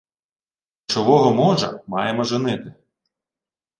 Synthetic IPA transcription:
t͡ʃɔʋɔɦɔmɔʒɐ̰mɑjemɔʒɪnɪt̪ɪ

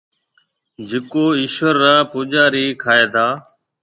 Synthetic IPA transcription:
d͡ʒekoːɪʃʋəɾːãːpʊʄaːɾiːkʰaːeːt̪ʰaː

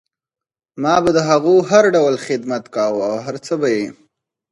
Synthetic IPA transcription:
mɑbad̪əɦaɣuɦaɾɖawlxɪd̪mat̪kɑwawɦaɾt͡səbaje

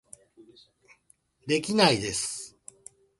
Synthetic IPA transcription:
d̪e̞kʲinaid̪e̞sɨ̥

